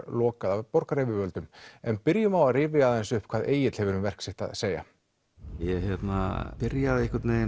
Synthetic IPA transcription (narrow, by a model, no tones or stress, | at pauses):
lɔːkaðavpɔɾkaɾevɪvœlt̪ʏmɛnpɪɾjʏmawaðrɪːvɪaðɛnsʏhpkʰv̥aːðʔeːjɪt̪l̥hɛvʏɾʏmvɛr̥ksɪht̪a̰ðseːja̰ | jɛçɛt̪na̰pɪɾjaðɪhkaɾt̪neːj